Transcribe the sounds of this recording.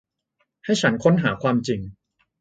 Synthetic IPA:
ha˥˩jt͡ɕʰa˦˥nkʰo˦˥nɦaː˩˦kʰwaː˧mt͡ɕi˧ŋ

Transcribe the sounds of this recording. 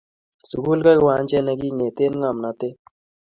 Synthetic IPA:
su˨ku˦lka˦kwa˨˦nd͡ʒɛ˦na˨ki˦ŋe˨te˦nŋa˨mna˨te˦

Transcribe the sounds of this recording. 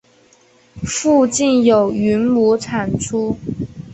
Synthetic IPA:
fu˥˧t͡ɕi˥˩njo˨˩ʊy˧˥nmu˧˥t͡sʰa˨˩nʈ͡ʂʰu˥

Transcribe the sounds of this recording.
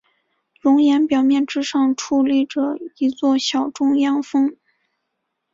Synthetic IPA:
lʊ˧˥ŋjɛ˧˥npjɑ˨˩ʊmjɛ˥˩˧nʈ͡ʂɻ̩˥ʂɑ˥˧ŋʈ͡ʂʰu˥˧li˥˩ʈ͡ʂɤ˨˩i˧˥t͡swɔ˥˩ɕjɑ˨˩ʊʈ͡ʂʊ˥˧ŋjɑ˥ŋfɤ˥ŋ

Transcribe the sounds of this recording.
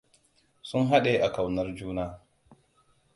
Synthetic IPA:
sʊ˦ŋɦa˦ɗe˨ʔa˨ka˨wnɐ˦rd͡ʒuː˦naː˦

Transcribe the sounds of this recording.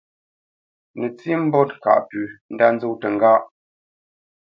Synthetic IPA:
nə˨t͡si˦m̩˦bɔ˦t̚ka̰˨ʔpʉ˨n̩˦da˦n˦zo˦˨tə˨ŋ˨ɡa˦ʔ

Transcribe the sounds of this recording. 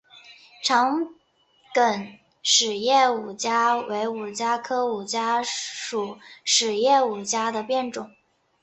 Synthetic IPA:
ʈ͡ʂʰɑ˧˥ŋ | kə˨˩n | ʂɻ̩˨˩jɛ˥˩u˨˩t͡ɕja˥we˧˥ɪu˨˩t͡ɕja˥kʰɤ˥u˨˩t͡ɕja˥ʂu˨˩ʂɻ̩˨˩jɛ˥˩u˨˩t͡ɕja˥d̪ə˨pjɛ˥˩nʈ͡ʂʊ˨˩˦ŋ

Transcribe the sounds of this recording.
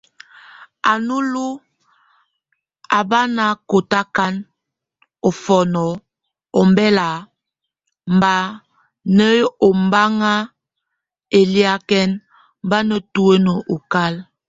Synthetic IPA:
a˨nu˦lu˦ | a˨ba˦na˦ko˨ta˦ka˦n | ɔ˨fɔ˨nɔ˨ | ɔ˨mbɛ˦la˨ | m˨ba˦ | nə˦o˨m˦ba˦ŋa˦ | e˨li˦a˦kɛ˦n | mba˦nə˦tu˦e˦nə˨ʔu˨ka˦l

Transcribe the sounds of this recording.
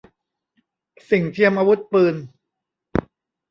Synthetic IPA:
si˨˩ŋt̪ʰi˧əmʔaː˧wu˦˥t̪̚pɯː˧n

